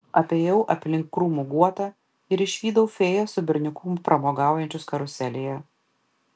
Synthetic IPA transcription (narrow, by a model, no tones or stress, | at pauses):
ɐpʲeːjɛʊʔɐpʲlʲɪŋkːɾuːmuɡuɔt̪ɐ | ɪɾɪʃʲʋʲiːd̪ɐʊfʲeːjoːsʊbʲɪɾʲnʲɪkʊmpɾʔɐmoːɡɑˑʊjɛnʲt͡ʃʲʊskɐɾʊsʲɛlʲejɛ